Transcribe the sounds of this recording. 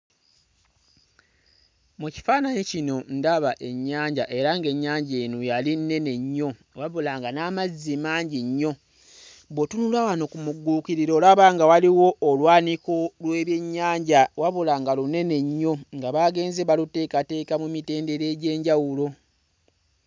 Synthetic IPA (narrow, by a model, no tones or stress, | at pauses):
muci̥faːnanecino̞ndaβaʔe̞ɲːaːɲɟaʔe̞ɾaŋɡe̞ɲːaːɲɟeːnujalinːe̞ne̞ɲːo̞ | waβulaŋɡanamazːimaːɲɟiɲːo̞ | botunulawanokumuɡːuːkiɾiɾo̞ːlaβaŋɡawaliwo̞ʔːlwaːnikolwe̞ːβje̞ɲːaːɲɟawaβulaŋɡalune̞ne̞ɲːo̞ŋɡaβaɡe̞ːnzeβalute̞ːkate̞ːkamumite̞ːnde̞ɾe̞ːɟe̞ːɲɟawulo̞